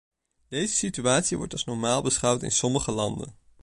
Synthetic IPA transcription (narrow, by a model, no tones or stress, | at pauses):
d̥ejzəsityaːtsiʋɔ̰ɹtɑlˠsnɔɹmaːlˠbəsχʌwtɪ̰nsɔməχəlɑndə̰n